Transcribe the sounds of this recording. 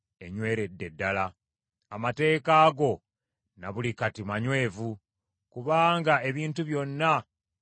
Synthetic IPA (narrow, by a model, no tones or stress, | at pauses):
e̞ɲwe̞ːɾe̞dːe̞dːalaː | mate̞ːkaːɡo̞ | naβulikatimaɲwe̞ːvu | kuβaːŋɡae̞βiːntuβjo̞nːa